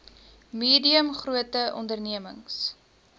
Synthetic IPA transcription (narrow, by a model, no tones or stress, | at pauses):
miːdiəmχruətəʔɔ̰ndərniəməŋs